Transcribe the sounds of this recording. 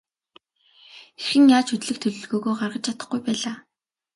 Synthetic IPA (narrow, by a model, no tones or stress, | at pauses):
xexɘ̆ŋjaːt͡ɕʰɵt̪ɮɘ̆k̚t̪ʰɵɮɵ̆ɮɣoːɣoːɢarʁə̆t͡ɕt͡ɕʰat̪ə̥̆χɡujpæːɮaː